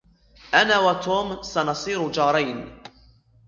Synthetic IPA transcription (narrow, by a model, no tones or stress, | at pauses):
ʔanaːwat̪oːmsanɑsˤiːɾʊd͡ʒɑːɾˤajn